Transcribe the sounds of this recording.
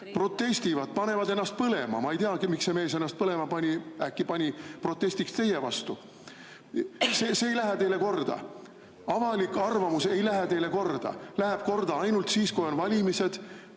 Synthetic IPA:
pro̞t̪ːe̞st̪ivɑd̪̥̚pɑne̞vɑd̪e̞nːɑst̪̚pɤle̞mɑ̰mɑejt̪eɑkmikse̞me̞ːse̞nːɑst̪̚pɤle̞mɑpɑnʲiækːipɑnʲipro̞t̪ˑːe̞sʲt̪ikst̪e̞jevɑ̰st̪u | seːseːjlæɦet̪e̞jle̞ko̞rd̪̥ɑ̰ | ɑvɑlikːˑɑrvɑmuse̞jlæɦet̪e̞jle̞ko̞rd̪̥ɑ̰læɦæb̥̚ko̞rd̪̥ɑɑjnult̪siːskujo̞nvɑlʲimise̞d̪̥

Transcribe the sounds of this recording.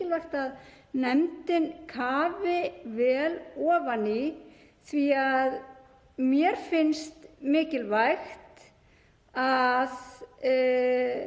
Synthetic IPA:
ɪlvajxt̪að | nɛmt̪ɪnkʰaːvɪvɛːlɔːvanɪ | θviað | mjɛɾ̥fɪnst̪mɪːcɪlvajxt̪ | að

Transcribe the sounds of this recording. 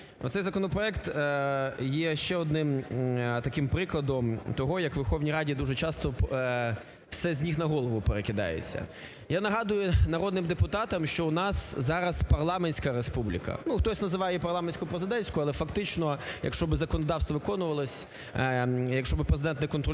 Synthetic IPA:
ɔ̰t̪sɛjzɐkɔnɔpɾɔɛkt̪ | jɛʃt͡ʃɛɔd̪nɪmt̪ɐkɪmpɾɪklˠɐd̪ɔmt̪ɔɦɔjɐkʋerxɔwnʲijɾɑdʲid̪uʒɛt͡ʃɑst̪ɔ | wsɛzʲnʲixnɐɦɔlˠɔʋʊpeɾekɪd̪ɑ̰jḛt͡sʲːɐ̰ | janɐɦɑd̪ʊjʊnɐɾɔd̪nɪmd̪epʊt̪ɑt̪ɐmʃt͡ʃɔʊnɑszɑɾɐspɐrlˠɑmenʲsʲkɐɾespublʲḭkɐ̰nuxt̪ɔsʲnɐzɪʋɑjɛpɐrlˠɑmensʲkʊpɾezɪd̪ɛnʲsʲkʊɐlˠɛfɐkt̪ɪt͡ʃnɔjɐ̰kʃt͡ʃɔbɪzɐkɔnɔd̪ɑwst̪ʋɔʋɪkɔnʊʋɐlˠɔsʲ | jɐkʃt͡ʃɔbɪpɾezɪd̪ɛnt̪nɛkɔnt̪ɾɔ

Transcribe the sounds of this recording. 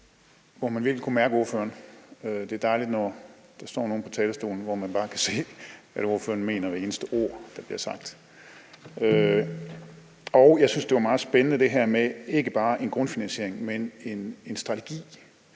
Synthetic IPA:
ʋɒmænʋiɐɡl̩kʰumæɐɡ̥əo̝ɐfø̰ːɐnød̥e̝æɐd̥ɑ̈ɪlid̥nɒd̥ɑ̈sd̥ɒ̰ːno̝ːn̩pʰɒ̽t͡sʰɛːlsd̥o̝̰ːln̩ʋɒmænb̥ɑ̈ːkʰæse̝̰ːæɾo̝ɐfø̰ɐn̩me̝̰ːnɐʋee̝ːnəsd̥əʔo̝ɐ̰d̥ɑ̈b̥liɐ̰sɑ̈ɡ̥̚d̥ | ø | ɒʊjɑ̈ɪsynsd̥e̝ʋɑ̈mɑ̈ːð̩ˠsb̥enənəd̥e̝ɦæɐ̰mee̝ɡ̥əb̥ɑ̈ːʔe̝nɡ̥ʁɔ̽nfinænɕe̝ɐ̰e̝ŋmene̝ne̝nsd̥ʁɑ̈t͡sʰeɡ̥ḭː

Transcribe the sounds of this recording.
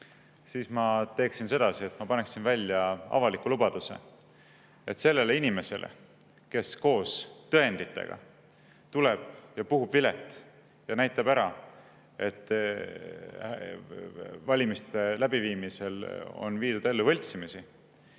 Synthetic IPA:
siːsmɑt̪e̞ːksinse̞d̪̥ɑsie̞t̪ːˑmɑpɑne̞ksinvælʲːjɑɑ̰vɑlikːulubɑd̪̥usḛ | e̞t̪ːse̞lːe̞leinime̞se̞̰lʔḛ | ke̞sko̞ːst̪ɤend̪it̪ːˑe̞̰ɡ̥ɑ̰ | t̪ule̞b̥̚jɑpuɦubvile̞̰t̪ːˑ | jɑnæjt̪ːˑɑbæɾɑ | e̞t̪ːˑ | vɑlʲimist̪e̞læbiviːmise̞lo̞̰nviːd̪̥ud̪̥e̞lːuvɤlʲt̪simisi

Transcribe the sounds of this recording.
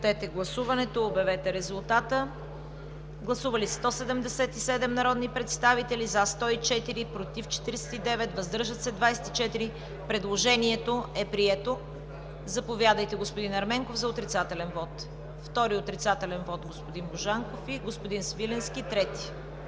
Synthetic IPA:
t̪ɛt̪ɛɡlˠɐsuvɐnɛt̪oːbɛvɛt̪ɛɾɛzulˠt̪at̪ə | ɡlˠɐsuvɐlist̪ɔsɛd̪ɛmd̪ɛsɛt̪isɛd̪ɛmnɐɾɔd̪nipɾɛt̪st̪avit̪ɛlizast̪ɔit͡ʃɛt̪iɾipɾot̪ift͡ʃɛ̥t̪iɾsɛ̥t̪id̪ɛvɛt̪vɐzd̪ɤɾʒət̪sɛd̪vajsɛ̥t̪i̥t͡ʃɛt̪iɾi | pɾɛd̪lˠoʒɛniɛt̪oɛpɾiɛt̪o | zɐpovʲjad̪əjt̪ɛɡospod̪inɐɾmɛŋkofzɐot̪ɾit̪sat̪ɛlɛnvɔt̪ | ft̪ɔɾiot̪ɾit̪sat̪ɛlɛnvɔt̪ɡospod̪inboʒaŋkofiɡospod̪insvilɛnskit̪ɾɛt̪i̥

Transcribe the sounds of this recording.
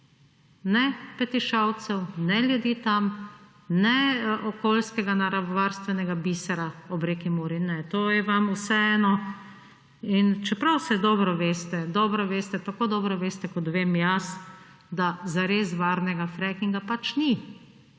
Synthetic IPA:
nɛpɛt̪iʃaw̪sɛwnɛljud̪iːt̪am | nɛɔkoːlskɛɡanaɾaʋaɾst̪ʋɛnɛɡabisaɾaɔbɾeːkimoːɾinɛt̪oːjɛʋamusɛɛːnɔ | int͡ʃɛpɾawsɛd̪ɔːbɾɔʋeːst̪ɛd̪ɔːbɾɔʋeːst̪ɛt̪akoːd̪ɔːbɾɔʋeːst̪ɛkɔt̪ʋeːmjas | d̪azaɾezʋaːɾnɛɡafɾɛkiŋɡapat͡ʃni

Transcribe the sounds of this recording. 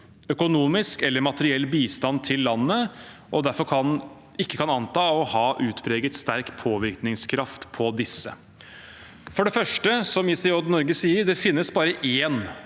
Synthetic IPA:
œkʊnuːmɪskɛlːəɾmɑt̪əɾɪɛlːbiːst̪ɑnt̪ʰɪlːɑnːəʔɔd̪æɾfɔɾkʰɑn | ɪkːəkʰɑnɑnt̪ɑːɔhɑːʔʉːt̪pʰɾeːɡət̪st̪æɾkpʰoːʋɪɾknɪŋskʰɾɑft̪pʰɔd̪ɪsːə̰ | fɔɖɛfœʂʈəsɔmɪːsɪɔd̪nɔɾɡəsiːəɾɖ̪ɛfɪnːəsbɑːɾəʔeːn

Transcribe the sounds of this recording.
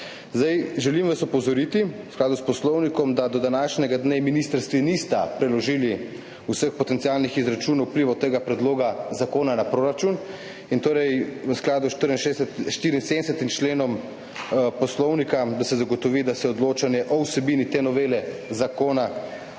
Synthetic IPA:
zd̪ajʒɛlimʋasɔpɔzɔɾiːt̪iwsklaːd̪uspɔslɔwnikɔmd̪ad̪ɔd̪anaːʃnʲɛɡad̪neminist̪əɾst̪ʋinist̪apɾɛlɔʒiːli | usəxpɔt̪ɛnt̪sialnixizɾat͡ʃuːnaupliʋat̪ːeːɡapɾɛd̪loːɡazakoːnanapɾoːɾat͡ʃun | int̪oːɾɛjʋəsklaːd̪uʃt̪əɾinʃeʃt̪iːɾinseːnɛsɛt̪imt͡ʃleːnɔm | pɔslɔwnikad̪asɛzaɡɔt̪ɔʋid̪asɛɔd̪loːt͡ʃanjɛʔɔwsɛbinit̪eːnɔʋeːlɛzakoːna

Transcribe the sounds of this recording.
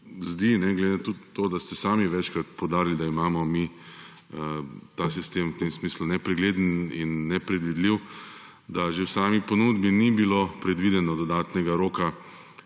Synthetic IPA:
zd̪inɛɡled̪ɪnat̪ut̪ːoːd̪ast̪ɛsaːmiʋɛt͡ʃkɾat̪powd̪aːɾild̪aimaːmɔmi | t̪asist̪emwt̪emsmislunɛpɾɛɡleːd̪ənḭnːɛpɾɛd̪ʋid̪liw | d̪aʒewsaːmiponuːd̪binibilopɾɛd̪ʋiːd̪ɛnɔd̪ɔd̪aːt̪nɛɡaɾoːka

